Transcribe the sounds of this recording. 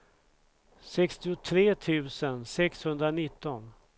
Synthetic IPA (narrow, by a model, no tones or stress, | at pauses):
sɛkst̪ɪʊt̪ʰɾeːt̪ʰʉ̟ːsənsɛkshɵnd̪ɾanɪt̪ːɔn